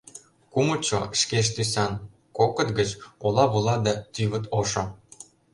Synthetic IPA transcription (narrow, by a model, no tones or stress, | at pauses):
kumɤ̆t͡ɕo̰ʃkeʃ̬t̪ysɑn | kokɤ̆t̪ɡə̆t͡ɕolˠɑβulˠɑd̪æt̪yβə̆t̪oʃɤ̆